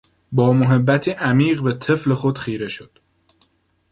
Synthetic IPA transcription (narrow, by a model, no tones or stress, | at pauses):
bɒːmoɦe̞bːæt̪ʰiːʔæmiːɢbe̞t̪ʰe̞fle̞xod̪̥xiːɾe̞ʃod̪̥